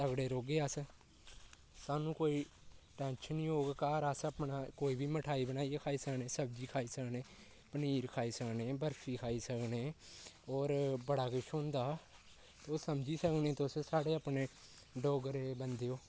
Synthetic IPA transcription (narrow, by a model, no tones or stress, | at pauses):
t̪əɡɽeːɾoːɡeːəs | saːnũːkoːiːʈɛ̃ːnʃəniːoːɡkaːɾəsəpnaːkoːiːbʱiːməʈʰaːiːbənaːikʰaːiːsəkneːsəb̚d͡ʒiːkʰaːiːsəkneː | pəniːɾkʰaːiːsəkneːbəɾsiːkʰaːiːsəkneːɔːɾbəɽaːkɪt͡ʃʰõːnd̪aː | t̪oːsəmd͡ʒiːsəknẽːt̪ossaːɽeːapneː | ɖoːɡəɾeːbənd̪eːoː